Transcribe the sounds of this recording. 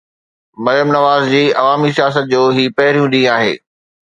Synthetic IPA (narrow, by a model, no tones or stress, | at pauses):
mɐɾjəmnɐʋaːzd͡ʑiːɐʋaːmisijaːs̬ət̪̚d͡ʑoːɦiːpɐɦɪɾijũɗĩaːɦḛː